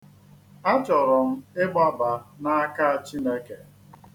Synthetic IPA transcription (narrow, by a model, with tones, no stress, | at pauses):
a˦t͡ʃɔ˨ɾɔ˨m̩˦ɪ˦ɡ͡ba˦ba˨na˦a˦ka˦a˨t͡ʃi˦ne˦ke˨